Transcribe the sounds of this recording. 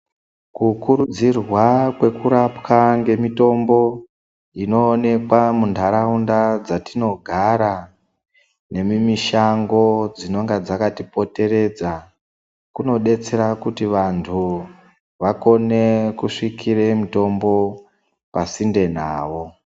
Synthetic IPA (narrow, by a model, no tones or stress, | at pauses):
kukuɾud͡zirwakwe̞kuɾapkaŋɡe̞mito̞mbo̞ | ino̞ːne̞kwamundʰʱaɾaundad͡zatino̞ɡʱaɾa | ne̞mimiʃaŋɡo̞d͡zino̞ŋɡad͡zakatipo̞te̞ɾe̞d͡za | kuno̞ɗe̞t͡se̞ɾakutiʋantʰu | ʋako̞ne̞kuʂikʰiremito̞mbo̞ | pasinde̞na̰ːʋo̞